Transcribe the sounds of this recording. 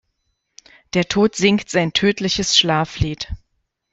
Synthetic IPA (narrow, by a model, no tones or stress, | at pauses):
d̥eːɐtʰoːtz̥ɪŋktz̥aɪntʰøːtʰlɪçəsʃlaːfliːt